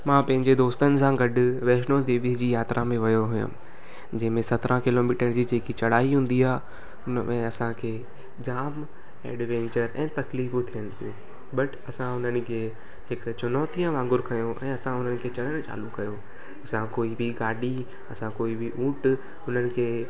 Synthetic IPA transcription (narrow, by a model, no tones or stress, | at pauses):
mãːpɐ̃ɦɪ̃ɲd͡ʑed̪oːst̪ənɪ̆s̬ãɡɐɖʊʋɛːʃnod̪eːʋid͡ʑiːjaːt̪ɾʔamẽʋɐjoɦʊjə̰m | d͡ʑɛ̃ɦɪ̃mẽsɐt̪ɾãkɪloːmiːʈəɾ̃d͡ʑiːd͡ʑeːkit͡ɕɐɽ̤aːiɦũːnd̪iaːɦ | ʊnmʔẽɐsãkʰeː | d͡ʑaːm | ɛ̰ːɖʋɛ̃ːɲt͡ɕəɾɛ̃ːt̪ɐkliːft̪ʰijənɪ̆pijũː | bɐʈɐsãʊn̤ənɪ̆kʰeː | hɪkt͡ɕʊnɔːt̪ijãʋãːŋɡʊɾkʰɐjõʔɛ̰̃ːɐsãʊn̤ənɪ̆kʰeːt͡ɕɐɽəɽ̃t͡ɕa̰ːlukɐjo | ɐsãkoːibʱiɡaːɖi | ɐsãkoːibʱiʔũːʈ | ʊn̤ənɪ̆kʰeː